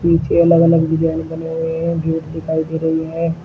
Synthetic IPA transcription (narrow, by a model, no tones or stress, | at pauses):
piːt͡ʃeələɡələɡʋɪd͡ʒaːɪnbəneɦʊeɦɛ̃ːbʱoːʈ̪d̪ɪkʰaːid̪eːɾəɦiɦɛ̃ː